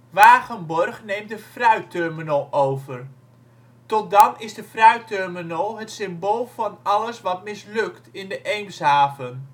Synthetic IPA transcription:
ʋaːɣənbɔrχnejmdəfrœɥtøɹminəlˠowvər | tɔt̚dɑnɪzdəfrœɥtørminolˠɦətsɪmboːlˠvɑnɑləsʋɑtmɪslɵktɪndəʔejmshaːvən

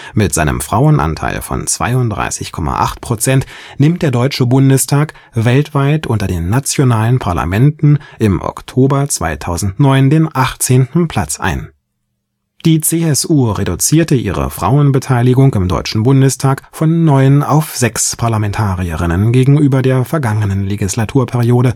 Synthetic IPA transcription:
mɪtz̥aɪnə̰mfʁ̥aʊənʔa̰ntʰa̰ɪlfɔ̰nt͡sv̥a̰ɪʊntd̥ʁa̰ɪsɪçkʰɔma̰ʔa̰χtpʰʁ̥ot͡sɛntnɪmt̚d̥eːɐdɔʏt͡ʃəbʊndəstʰaːk | vɛltv̥aɪtʔʊntɐdeːnːat͡sjonaːlənpʰaɐla̰mɛntn̩ʔɪmʔɔ̰ktʰoːbɐt͡sv̥a̰ɪtʰaʊzn̩tnɔʏndeːnʔaχtt͡seːntn̩pʰl̥at͡sʔa̰ɪn | d̥iːt͡seːɛsuːʁedut͡siːɐtəʔḭːʁə̰fʁ̥a̰ʊənbətʰaɪlɪɡʊŋɪmdɔ̰ʏt͡ʃn̩bʊndəstʰaːkfɔnːɔʏəna̰ʊfz̥ɛkspʰaɐlamɛntʰaːʁiəʁɪnənɡeːɡŋ̩ʔyːbɐdeːɐfɛɐɡaŋənənleɡɪslatʰuːɐpʰɛʁioːɾə

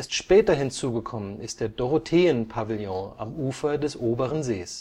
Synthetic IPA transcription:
ɐstʃpɛːtɐɦɪnt͡suːɡəkʰɔmənɪst̚d̥eːɐdɔʁotʰeːənpʰavɪljɔ̃a̰mʔuːfɐdɛsʔoːbəʁənzeːs

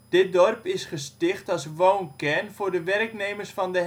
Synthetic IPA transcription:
d̥ɪt̚dɔrpɪsχəstɪχtɔlˠsʋoːnkɛnfʊrdəʋɛrkneːmərsfɔndə

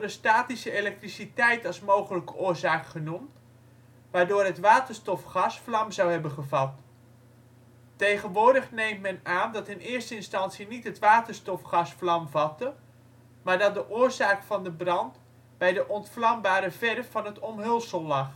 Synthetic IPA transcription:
dəstaːtisəelɛk̚trisitɛjtɑlˠsmowχələkəʔʊːɹzaːkχənumt | ʋaːɹdʊːrɦətʋaːtəɹstɔfχɑsflɑmzɑwɦɛbənχəvɑt | tejχənʋoːɹdəχnejmtmɛnaːndɑtɪnɪːɹstəɪnstɑnsinitɦətʋaːtəɹstɔfχɑsflɑmvɑtə | maːɹdɑt̚dəʔʊːɹzaːkfɑndəbrɑnt | b̥ɛjdəʔɔntflɑmbaːɾəvɛrfːɑnɦətɔmɦɵlˠsəlˠːɑχ

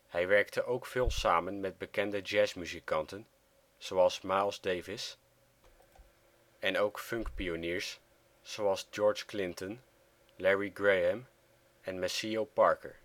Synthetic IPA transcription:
hɛjʋɛɹk̚təʔowkfɪːlˠsaːmənmɛd̚bəkɛndəd͡ʒɛːsmyzikɑntən | z̥owɑlˠsmalˠzdejvɪs | ɛnowkfɵŋkpioniːɹs | sowɑlˠzd͡ʒɔːɹd͡ʒklɪntɔn | lɛɹiɡɹejəm | ɛnmɛsiowpɑɹkə̰ɹ

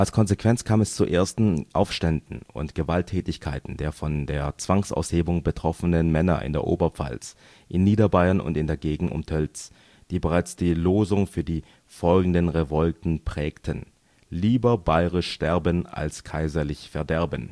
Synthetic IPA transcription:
ʔalskʰɔnzekv̥ɛnt͡skʰaːmɛst͡suʔḛːɐstn̩ʔa̰ʊfʃtɛndn̩ʊ̰ntɡ̥əvaltʰːɛːtɪçkʰaɪtn̩deːɐfɔndeːɐt͡sv̥aŋsʔa̰ʊsheːbʊŋbətʁ̥ɔfənənmɛnɐ̰ʔɪ̰ndeːɐʔo̰ːbɐp͡fa̰ls | ʔɪnːiːdɐbaɪɐnʊ̰ntɪndeːɐɡeːɡŋ̩ʔʊ̰mtʰœlt͡s | d̥iːbəʁaɪt͡sd̥iːloːzʊŋfyːɐdiː | fɔlɡŋ̩dənʁevɔltn̩pʁ̥ɛːktʰən | liːbɐbaɪʁɪʃːtɛɐbəna̰lskʰaɪzɐlɪçfɛɐdɛɐbən

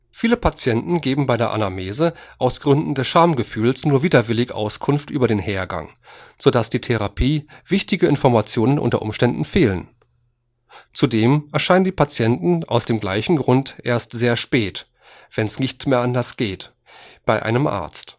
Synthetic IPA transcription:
fiːləpʰat͡sjɛntn̩ɡeːbm̩baɪdeːɐʔa̰nameːzəʔaʊsɡ̥ʁʏndn̩dɛsʃaɐmɡəfyːlsnuːɐviːdɐvɪlɪɡʔa̰ʊskʰʊnftʔy̰ːbɐɾeːnheːɐɡa̰ŋ | z̥oːdasd̥iːtʰeʁapʰiːv̥ɪçtɪɡəɪnfɔɐmat͡sjoːnənʔʊ̰ntɐ̰ʔʊ̰mʃtɛndn̩feːlə̰n | t͡sudeːmʔɛɐʃaɪnəndiːpʰat͡sjɛntn̩a̰ʊsd̥eːmɡla̰ɪçn̩ɡʁʊntʔḛːɐstz̥eːɐʃpɛːt | v̥ɛnsnɪçtmeːɐʔandɐsɡ̥eːt | b̥aɪʔa̰ɪnəmʔa̰ɐt͡st

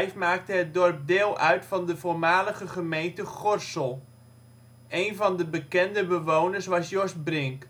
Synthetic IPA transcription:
jfmaːk̚təɦət̚dɔrp̚dɪːlˠʔœɥtfɑndəvoːɹmaːləχəχəmejntəχɔrsəlˠ | ejnvɑndəbəkɛndəbəʋownəɹsʋɑsjɔsbrɪŋk

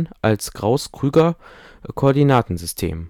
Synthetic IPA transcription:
nʔalsɡ̥ʁaʊskʁ̥yːɡɐkʰoʔːɐdinaːtn̩zʏstʰḛːm

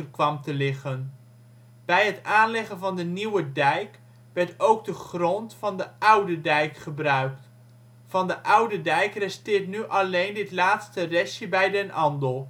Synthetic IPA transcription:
ərkʋɑmtəlɪχən | b̥ɛjɦətaːnlɪχənvɑndəniwədɛjk | ʋɛɹtowɡ̚dəχrɔntfɑndəʔʌwdədɛjkχəbrœɥk̚t | fɑndəʔʌwdədɛjkrɛstɪːɹtnyʔɑlejndɪtlaːtstərɛsjəbɛjdɛnʔɑndəlˠ

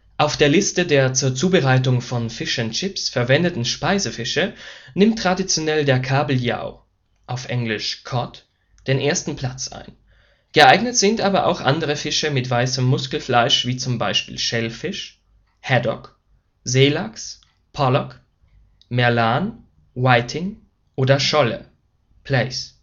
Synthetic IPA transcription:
ʔaʊfd̥eːɐlɪstədeːɐt͡suːɐt͡suːbəʁaɪtʊŋfɔnfɪʃənt͡ʃɪpsfɛɐvɛndətn̩ʃpaɪzəfɪʃənɪmtːʁ̥adit͡sjonɛldeːɐkʰaːbl̩ja̰ʊ | ʔaʊfʔɛŋlɪʃkʰɔt | d̥eːnʔeːɐstn̩pʰl̥at͡sʔa̰ɪn | ɡ̥əʔaɪɡnətz̥ɪntʔaːbɐʔa̰ʊxʔa̰ndəʁəfɪʃəmɪtv̥aɪsəmːʊskl̩flaɪʃv̥iːt͡sʊmba̰ɪʃpḭːlʃɛlfɪʃ | hɛdɔ̰k | zeːlaks | pʰɔlɔk | mɛɐlaːn | waɪtʰɪŋ | ʔoːdɐʃɔlə̰ | pʰl̥ɛɪs

